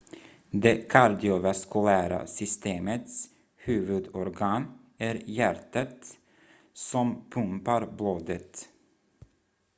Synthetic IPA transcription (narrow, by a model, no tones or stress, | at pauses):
d̪ekʰaɾd̪ɪʊvaskʉlæːɾa̰sʏst̪eːmət̪s | hʉːvɵd̪ɔɾɡɑːn | æɾjæɾʈat̪ | sɔmpʰɵmpaɾbloːd̪ət̪